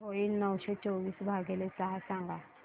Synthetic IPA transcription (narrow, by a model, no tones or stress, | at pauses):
ɦoilnəwsɔt͡ʃoʋiːsbʱaɡelesaɦasãŋɡa